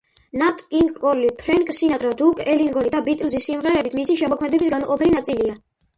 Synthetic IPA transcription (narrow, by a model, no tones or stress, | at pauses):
nat̪ʼkʼiŋkʼɔlipʰɾɛŋkʼsinat̪ʼɾad̪ukʼɛliŋɡɔnid̪abit̪ʼlzisimʁɛɾɛbit̪ʰmisiʃɛmɔkʰmɛd̪ɛbisɡanqʼɔpʰɛlinat̪sʼilia